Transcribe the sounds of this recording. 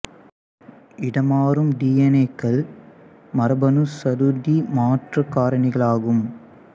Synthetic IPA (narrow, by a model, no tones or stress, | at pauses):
ʔɪɽɐmaːɾɯmɖiːɐnekːɐɭ | mɐɾɐbɐnɯsɐɾud̪imaːʈrɐkːaːɾɐɳɪɣɐɭaːɣɯm